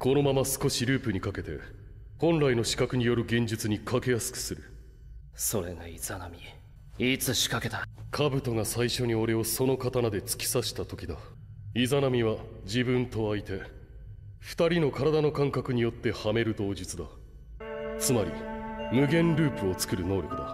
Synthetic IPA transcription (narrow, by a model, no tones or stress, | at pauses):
ko̞no̞mamasɨ̥ko̞ɕiɾɯ̟ːpɯ̟ɲ̟ikake̞t̪e̞̰ | hõ̞nɾaino̞ɕi̥kakɯ̟ɲ̟ijo̞ɾɯ̟ɡẽ̞ɲ̟d͡ʑɨt͡sɨɲ̟ikʰake̞jasɨ̥kɯ̥sɨɾɯ̟ | so̞ɾe̞̰ŋaiz̥anamʲi | it͡sɨɕi̥kake̞t̪akʰabɯ̟t̪o̞ŋasaiɕo̞ɲ̟io̞ɾe̞o̞so̞no̞kat̪anad̪e̞t͡sɨ̥kʲi̥saɕi̥t̪at̪o̞kʲid̪a | izanamʲiβad͡ʑibɯ̃nt̪o̞ait̪e̞ | ɸɯ̟̥t̪aɾʲino̞kaɾad̪ano̞kãŋkakɯ̟ɲ̟ijo̞t̪ːe̞hame̞ɾɯ̟d̪o̞ːd͡ʑit͡sɨd̪a | t͡sɨmaɾʲḭmɯ̟ɡẽ̞nɾɯ̟ːpɯ̟o̞t͡sɨ̥kɯ̟ɾɯ̟no̞ːɾʲo̞kɯ̟d̪a